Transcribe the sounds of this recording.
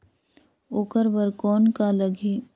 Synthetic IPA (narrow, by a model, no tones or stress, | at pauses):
oːkəɾbəɾkɔːnkaləɡi